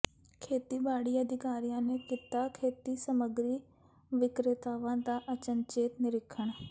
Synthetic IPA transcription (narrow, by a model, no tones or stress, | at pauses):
kʰeːt̪iːbaːɽiːəd̪ʱɪkaːɾijãːneːkiːt̪aːkʰeːt̪iːsəməɡɾiː | ʋɪkɾɪt̪aːʋãːd̪aːʔət͡ʃənt͡ʃeːt̪nɪɾɪkʰəɳ